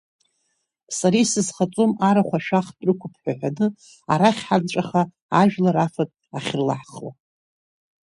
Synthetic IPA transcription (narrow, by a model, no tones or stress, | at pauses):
saɾisɨzχat͡sʼomaɾaχʷaʃᶣaχtʼrɨkʷʰʊpʰħʷᶣaħʷᶣanɨ | aɾaχʲħart͡ʃʷʼaχa | aʒᶣlaɾafatʼaχʲɪrla̰ħχwa̰